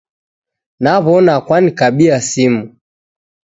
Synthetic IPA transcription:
naβɔnakwanikaɓiasimu

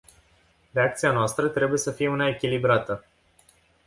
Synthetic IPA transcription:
re̞ak̚t̪sianoast̪ɾət̪ɾe̞buje̞səfije̞unaekʲilibɾat̪ə

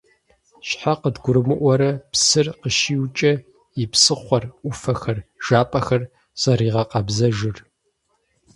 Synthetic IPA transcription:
ɕħaqədɡʷʊɾɨmɨʔʷɔɾɐpsɨrqəʃiːwt͡ʃʼɐ | ɪpsɨχʷɔrʔʷʊfɐxɐrʒ̥aːpʼɐxɐr | z̥ɐɾiːʁɐqɑbzɐʒɨr

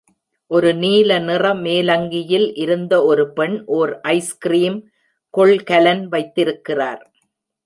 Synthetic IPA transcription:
ʔɔɾɯniːlɐnɪrɐmeːlɐŋɡɪjɪlʔɪɾɯnd̪ɐɔɾɯpɛɳʔoːɾʔɐɪskɪɾiːm | kɔɭkɐlɐnʋɐɪt̪ːɪɾɯkːɪraːɾ

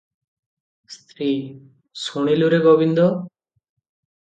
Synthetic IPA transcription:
st̪ʰɾi | suɽ̃iluɾeɡɔbind̪ɔ

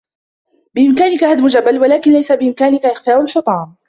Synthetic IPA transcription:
bɪʔɪmkaːnɪkahad̪mʊd͡ʒabːalwalaːkɪnlajsabɪʔɪmkaːnɪkaʔɪxfaːʔʊlħʊt̪ˤɑːm

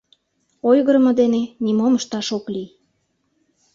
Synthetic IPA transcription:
ojɣəɾəmɤ̆d̪enenʲimoməʃt̪ɑʃoklij

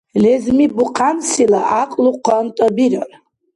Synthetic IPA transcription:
lɛzmibuqʰansilaʔaqʼluqʷʰant̪ʼɐbiɾar

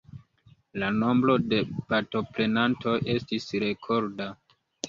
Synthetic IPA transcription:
lano̞mbɾo̞de̞paɾto̞pɾe̞nantʰo̞ʔe̞stisɾe̞kʰo̞ɾda

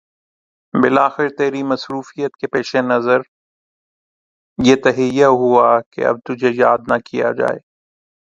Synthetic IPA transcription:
bɪlaːxɪɾt̪eːɾimɐsɾuːfijət̪kepeːʃenɐzəɾ | jet̪ɐɦijaɦuakḛɐ̰b̚t̪ʊd͡ʒʱejaːd̪nakija̰d͡ʒa̰ːḛː

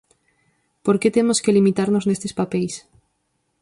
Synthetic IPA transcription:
poɾket̪emoskelimit̪aɾnoznest̪espapejs

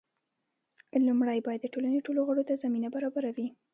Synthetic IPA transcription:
lumɽajbɑjad̪ːəʈolaneʈoloɣəɽot̪azaminabaɾɑbaɾawi

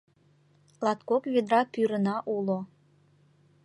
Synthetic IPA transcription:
lɑt̪kokved̪ɾɑpyɾənɑʔulo

